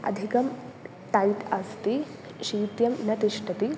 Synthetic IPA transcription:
ɐ̰d̪ʱikɐm | ʈɐjt̪ast̪i | ʃiːt̪jɐmnɐt̪iʂʈɐt̪i

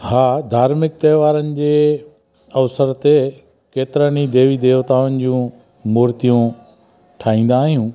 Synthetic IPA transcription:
haːd̪ʱaːɾmɪk̚t̪ɐːʋaːɾənɪ̆d͡ʑeː | ɐʋsəɾt̪e | keːt̪ɪɾənid̪eːʋid̪eːʋt̪aːʋənɪ̆d͡ʑũː | muːɾt̪ijũ | ʈʰaːĩːn̆d̪aːɦijũː

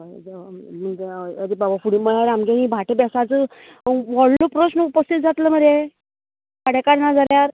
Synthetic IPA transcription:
m̤əɳd͡zeəd̪ibabafuɽiməɭaɾamɡeɦĩbʱaʈebɛsat͡sə | ʋɔɽlopɾəɕnəupəst̪it̪̚d͡zat̪ləːməɾe | kaɽekaɽnad͡zaljaɾ

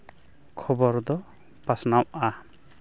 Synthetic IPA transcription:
kʰɔbɔɾd̪ɔ | pasnawʔa

